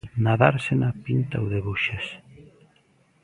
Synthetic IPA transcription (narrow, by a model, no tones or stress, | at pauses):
naðaɾsenapint̪aowðeβuʃes